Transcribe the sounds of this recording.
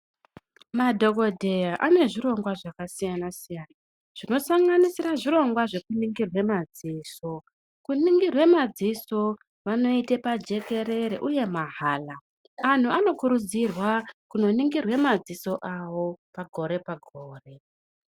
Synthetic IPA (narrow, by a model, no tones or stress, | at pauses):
madʱo̞ko̞dʱe̞jaʔane̞ʐiɾo̞ŋɡwaʐakasijanasijaːna | ʐ̥ino̞saŋɡanisiɾaʐiɾo̞ŋɡwaʐe̞kuniŋɡirwe̞mad͡ziːso̞ | kuniŋɡirwe̞mad͡ziso̞ | ʋano̞itepad͡ʒe̞ke̞ɾe̞ɾḛʔuje̞maɦaːla | an̤uano̞kuɾud͡zirwakuno̞niŋɡirwe̞mad͡ziso̞ʔawo̞paɡʱo̞ɾe̞paɡʱoːre̞